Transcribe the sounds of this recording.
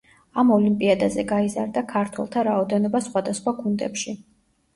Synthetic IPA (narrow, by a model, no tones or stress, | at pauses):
amɔlimpʼiad̪azɛɡaizaɾd̪akʰaɾt̪ʰwɛ̰lˠt̪ʰaɾaɔd̪ɛnɔbasχwad̪asχwaɡʰund̪ɛ̰pʃi